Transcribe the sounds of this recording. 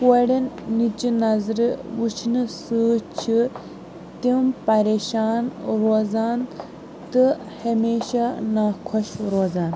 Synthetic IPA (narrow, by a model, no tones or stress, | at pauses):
koɽɐnːit͡ʃinɐzɾʋut͡ʃʰnɨsɨːt͡ʃʰi | t̪impɐɾeːʃaːnɾoːzaːn | t̪ɨ | hɐmeːʃanaːkʰɔʃɾoːzaːn